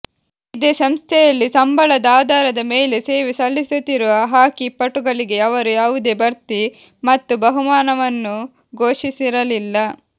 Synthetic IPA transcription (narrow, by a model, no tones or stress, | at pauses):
id̪esɐmst̪ʰɛjɐlːisɐmbʱɐɭɐd̪aːd̪aːɾɐd̪ɐmeːlese̞ːʋisɐlːisut̪ːiɾuʋɐɦaːkipːɐʈuɡɐɭiɡe̞ɐʋɐɾujaːʋud̪e̞bɐɾt̪i | mɐt̪ːubɐɦumaːnɐʋɐnːu | ɡoːʂisiɾɐlilːɐ